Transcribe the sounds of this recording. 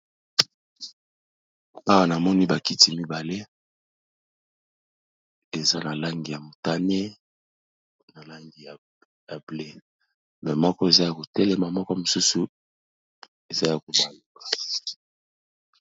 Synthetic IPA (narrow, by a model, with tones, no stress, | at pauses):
a˦wa˦na˨mɔ˦ni˦ba˨ki˦ti˨mi˦ba˨le˦ | e˨za˦na˨la˦ŋɡi˨ja˨mo˨ta˦ne˦ | na˨la˦ŋɡi˨ja˨ | ja˨ble˦ | mɛ˨mɔ˦kɔ˦e˨za˦ja˨ko˨tɛ˦lɛ˦ma˨mɔ˦kɔ˦mo˨su˦su˨ | e˨za˦ja˨ko˦ma˨lo˨ka˨